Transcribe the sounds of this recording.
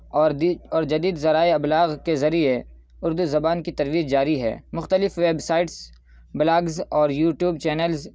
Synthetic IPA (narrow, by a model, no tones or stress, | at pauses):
ɔːɾɔːɾd͡ʒɐd̪iːd̪zɐɾaːeɐblaːɣkezɐɾie | ʊɾd̪uzɐbaːnkit̪ɐɾʋiːəd͡ʒd͡ʒaːɾiɦɛ̰ːmʊxt̪əlɪfʋeːbsaːɪʈs | bɪlaːɡzɔːɾjuːʈjuːbt͡ʃɛːnəlz